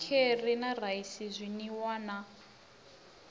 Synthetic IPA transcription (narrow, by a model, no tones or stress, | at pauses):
kʰerinaraisizʷiniwaːna